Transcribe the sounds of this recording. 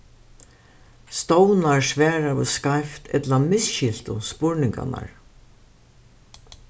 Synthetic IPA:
st̪ɔwnaɹsvɛːɹavɪskajft̪ʰɛt̪lamɪsʃɪl̥t̪ʊ̰spʊɹnɪŋka̰na̰ɹ

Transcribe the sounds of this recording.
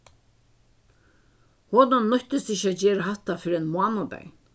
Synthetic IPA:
hoːnannːɔht̪ɪst̪ɪçɕːat̪d͡ʑɛːɾaɦaht̪afɪɾiɛnmwamabɛ̰j

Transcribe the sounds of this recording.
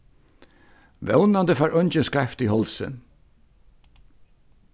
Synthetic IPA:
ʋɛ̰wnand̪əfaːɹʔɔɲt͡ʃənskɹɛft̪ihɔlsə̰n

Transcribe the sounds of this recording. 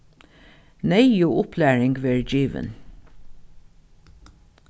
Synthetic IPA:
neɪjuːʔʊpʰlæːɹɪŋɡʋeːɹd͡ʒiːʋə̰n

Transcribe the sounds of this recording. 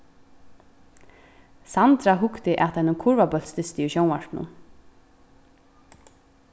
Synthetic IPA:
sant̪ɾaɦʊkt̪ɪʔat̪ʰanʊnkʰʊɹvabœlt̪st̪ɪst̪ɪuɕownaɹ̥t̪nʊ̰n

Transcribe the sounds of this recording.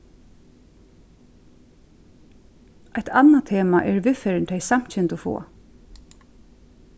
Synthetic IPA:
ajt̪ʰanat̪ʰeːma̰ʔɛɹʋɪfɛːɾɪnt̪ʰɛjsam̥t͡ɕɛnt̪ɔfo̰ː

